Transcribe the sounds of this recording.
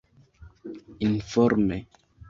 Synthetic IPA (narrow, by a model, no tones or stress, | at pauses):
infɔɾme